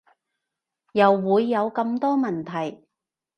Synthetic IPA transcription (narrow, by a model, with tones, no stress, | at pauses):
jɐ˨˩wːuː˨˧jːɐ˨˧wkɐ˧mt̪ɔː˥mɐ˨˩nt̪ʰɐ˨˩j